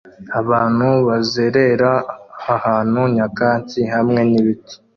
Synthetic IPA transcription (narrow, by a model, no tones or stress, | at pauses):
aβaːn̥huβazeɾe̞ɾaːhaːn̥huɲakaːɲtiɦamŋe̞niβiti̥